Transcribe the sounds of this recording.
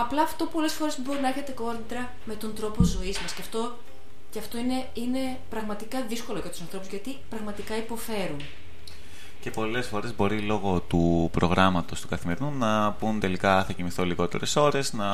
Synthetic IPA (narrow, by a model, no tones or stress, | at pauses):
ɐplɐːft̪o̞po̞le̞sfo̞ɾebo̞ɾinɐeɾçet̪e̞ko̞ɾd̪ɾɐ | me̞t̪o̞nd̪ɾo̞po̞zo̞izmɐsceɐft̪o̞ | ceɐft̪o̞ine | ine̞ | pɾɐɣmɐt̪ikɐðisko̞loʝɐt̪u̥sɐnθɾo̞puzʝɐt̪ipɾɐɣmɐt̪ikɐipo̞fe̞ɾun | ce̞po̞le̞sfo̞ɾe̞zbo̞ɾilo̞ɣo̞t̪upɾo̞ɣɾɐmɐt̪o̞st̪u̥kɐθime̞ɾinunɐpunt̪e̞likɐθɐcimiθoliɣo̞t̪e̞̰ɾe̞so̞ɾe̞znɐ